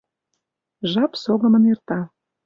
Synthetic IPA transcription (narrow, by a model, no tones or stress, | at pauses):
ʒɑpsoɣə̆mə̆nert̪ɑ